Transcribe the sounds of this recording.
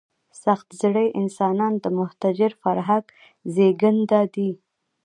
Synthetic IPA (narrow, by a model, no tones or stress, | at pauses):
saxt̪zɽəjʔɪnsɑnɑnd̪əmʊht̪ad͡ʒɪɾfaɾɦaɡ | zeɡənd̪ad̪i